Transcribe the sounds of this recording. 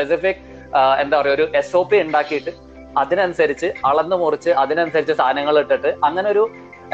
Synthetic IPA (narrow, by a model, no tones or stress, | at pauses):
esifikː | e̞nd̪aːpɐrɐjuoɾuʔeso̞ːpːiuɳɖaːkːijiʈːɨ | ɐðinɐnusɐɾit͡ɕːɨɐɭenːɨmurit͡ɕːɨɐðinɐnusɐɾit͡ɕːɨsaːɐnɐŋːɐɭiʈːiʈːɨɐŋːɐneo̞ɾu